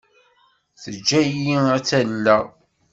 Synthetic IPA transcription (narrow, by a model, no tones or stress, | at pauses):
θəd͡ʒːæjiæt͡sːælːæ